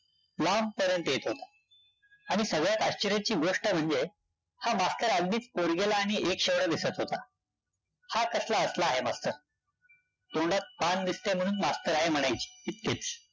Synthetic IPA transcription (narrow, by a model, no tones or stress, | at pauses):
lampəɾjənt̪jet̪ɦot̪ḁ | aɽ̃isəɡɭjat̪a̰ɕt͡ɕiɾjat͡ɕiːɡoʂʈəm̤əɳd͡ze | hamast̪əɾəɡniːt͡spoɽɡelaːɽ̃iekɕeʋɽad̪isət̪ɦot̪a | hakəslaəslaːɦemast̪əɾ | t̪oɳɖat̪̚pand̪ist̪em̤əɽ̃uːnmast̪əɾaɦem̤əɽ̃ajt͡ɕi̥ːit̪̚ket͡s